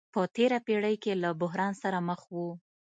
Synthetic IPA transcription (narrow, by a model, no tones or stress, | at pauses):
pət̪eɾapeɽəjkelabʊɦɾɑnsaɾaməxwu